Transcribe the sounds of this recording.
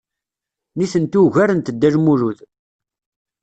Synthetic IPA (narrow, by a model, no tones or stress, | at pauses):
niθənt̪uʝæɾənt̪əd̪ːæʒmuɾuð